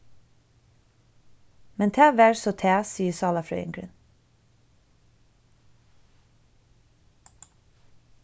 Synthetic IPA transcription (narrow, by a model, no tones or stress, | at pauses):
mɛnt̪ʰæːʋæːɹsot̪ʰæːsiːəsɑːlɑfɾœ̰ʏɪ̰ŋɡɾə̰n